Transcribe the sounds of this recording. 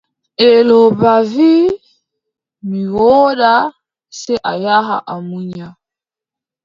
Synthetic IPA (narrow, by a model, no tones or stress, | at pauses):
ɛlɔβavi | miɣɔɗa | sɛʔajaɦa̰ʔamuɲa